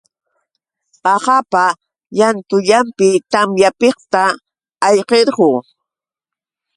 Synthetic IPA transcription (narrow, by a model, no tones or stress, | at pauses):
pɑqɑpa | jant̪ʊʎampɪt̪amjapeqt̪aː | jqeɾɢoː